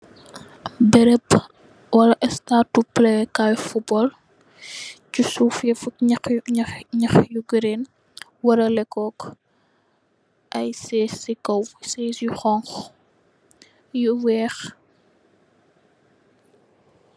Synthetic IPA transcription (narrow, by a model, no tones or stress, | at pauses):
bɛɾɛp | wɐlɐʔɛstatupːlɛkajfubɔl | cusuːfjɛfutɲɐ | ɲɐxjuɡəɾen | wɐɾɐlɛkːɔːk | ʔɐjsɛsikɐwsɛsjuxɔŋx | juwɛːx